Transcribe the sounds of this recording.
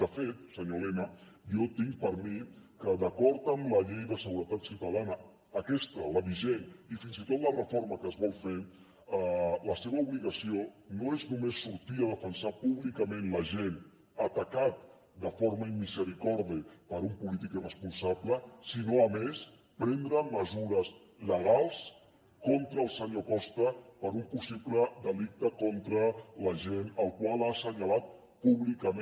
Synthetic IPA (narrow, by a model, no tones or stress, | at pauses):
d̪əfet̪̚səɲolemə | jɔt̪iŋ̚pəɾmikəðəkɔɾt̪əmləʎejðəsəɣ̞uɾət̪at̪sit̪əlanəː | kɛst̪ələβiʒenifinzit̪ot̪lərəfoɾməkəːzβɔlˠfe | ələseβəuβliɣəsionoeznumesːuɾt̪iəðəfənsapuβlikəmẽnləʒen | ət̪əkat̪̚ | d̪əfoɾməimːizəɾikɔɾðipəɾumpulit̪ikirəspunsabləsinoəmes | pɾɛnd̪ɾəməzuɾəz | ləɣ̞alˠs | kɔnt̪ɾəːlˠsəɲokɔst̪əpəɾumpusibləd̪əlik̚t̪əkont̪ɾələʒenəlˠkwalˠasəɲəlat̪̚ | puβlikəm